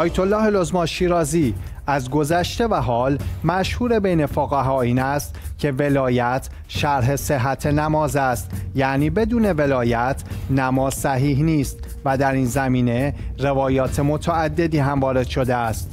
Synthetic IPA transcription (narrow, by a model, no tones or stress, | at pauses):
ʔɒːjet̪ʰo̞lːɒːɦelo̞zmɒːnʃiːɾɒːziː | æzɡo̞zæʃt̪e̞væɦɒːlmæʃhuːɾe̞bejne̞foɣæɦɒːiːnæst̪cʰe̞ve̞lɒːjæt̪ʰ | ʃæɾɦe̞se̞ɦːæt̪ʰe̞næmɒːzæst̪jæʔniːbe̞d̪uːne̞ve̞lɒːjæt̪ʰnæmɒːzsæɦiːɦniːst̪ | væd̪æɾiːnzæmiːne̞ɾe̞vɒːjɒːt̪ʰe̞mo̞t̪ʰææd̪ːe̞d̪iːɦæmvɒːɾe̞d̪̥ʃo̞d̪eæst̪